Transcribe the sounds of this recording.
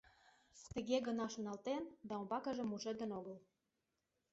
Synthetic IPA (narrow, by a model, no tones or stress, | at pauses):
t̪ə̆ɣeɣə̆nɑʃonɑlt̪end̪ɑombɑkə̆ʒĕmuʒĕd̪ə̆noɣəl